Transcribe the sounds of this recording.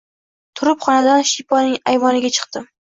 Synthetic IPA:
t̪ʰʊɾɪpχɒnad̪anʃipʰɒnɪŋajvɒnɪɡʲat͡ʃʰɨ̥qt̪ɪ

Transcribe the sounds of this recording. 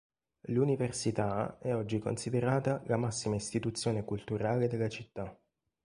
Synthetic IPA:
luniversit̪aɛɔd͡ʒːiko̰nsid̪eɾaːt̪alamasːimaist̪it̪ut̪sːjoːnekult̪uɾaːled̪elːat͡ʃit̪ːa

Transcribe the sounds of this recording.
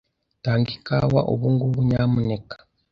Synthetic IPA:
taːŋɡikawa̰ʔo̰βuŋɡuβuɲamunekḁ

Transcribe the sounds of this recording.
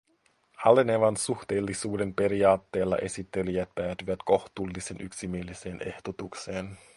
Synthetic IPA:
hɑleneʋɑnsuxt̪e̞ːlːisuːde̞mpe̞ɾiɑːt̪ːe̞ːlːɑ̰ʔe̞sit̪ːe̞lijæt̪̚pæːt̪yʋæt̪ko̞xt̪uːlːise̞nʔyksimielise̞ːne̞ht̪ot̪ukse̞ːn

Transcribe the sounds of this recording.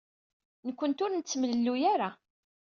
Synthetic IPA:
nəkʷːənt̪ʊɾnət͡sːmələlːujaɾa

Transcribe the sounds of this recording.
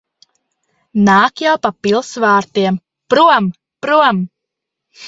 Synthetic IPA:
naːkjawpapilˠsvaːɾt̪iɛm | pɾuɔm | pɾuɔm

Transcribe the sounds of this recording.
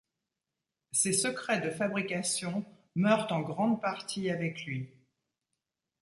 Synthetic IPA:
sesəkχɛd̪əfabʁikasjɔ̃ | mœʁt̪ɑ̃ɡʁɑ̃d̪̚paʁt̪ʰiavɛklɥi

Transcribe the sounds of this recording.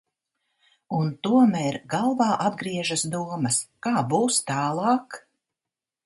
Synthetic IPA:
unt̪uɔmæːɾɡalˠvɑːʔad̪ɡɾiɛʒasd̪uɔmɐskaːbuːst̪aːlˠɑːk

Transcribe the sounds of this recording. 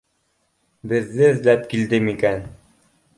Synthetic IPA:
bɘ̆ðːɘɵ̆ðlæpkild̪ɘmikæn

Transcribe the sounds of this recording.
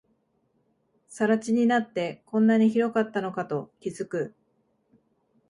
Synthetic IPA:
saɾat͡ɕiɲ̟inat̪ːe̞kõ̞nːaɲ̟içiɾo̞kat̪ːano̞kat̪o̞kʲizɨkɯ̟

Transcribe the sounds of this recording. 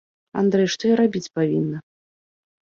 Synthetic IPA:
a̰nd̪ɾɛjʂt̪ɔjaɾabʲit͡sʲpavʲinːɐ

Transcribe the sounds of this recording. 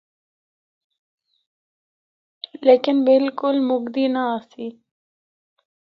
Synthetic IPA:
leːkɪnbɪlkʊlmʊɡd̪iːnaaːsiː

